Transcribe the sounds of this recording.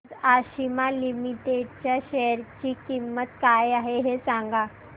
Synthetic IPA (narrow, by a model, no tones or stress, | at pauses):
d͡zaɕimalimiʈeɖt͡ɕjaɕeɾt͡ɕiːkimːət̪kajaɦeɦesãŋɡa